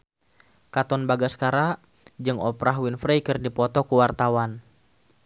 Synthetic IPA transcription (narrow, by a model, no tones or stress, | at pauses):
kat̪ɔnbaɡaskaɾa | d͡ʒɨŋɔpɾaɦwinfɾɛjkɨrdipɔt̪ɔkuwart̪awan